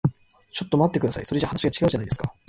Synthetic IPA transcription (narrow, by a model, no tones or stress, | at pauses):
t͡ɕo̞t̪ːo̞mat̪ːe̞kɯd̪asa̰isoɾe̞ʑahanaɕiɡat͡ɕiɡaɯ̟ʑanaid̪e̞sɨ̥ka